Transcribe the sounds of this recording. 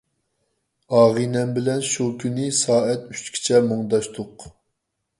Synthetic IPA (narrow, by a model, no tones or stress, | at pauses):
ɑːʁinɛmbɪlɛnʃukʲʰynɨsɑːɛt̪yt͡ʃkʲʰi̥t͡ʃʰɛmoŋd̪ɑʃt̪ʰʊq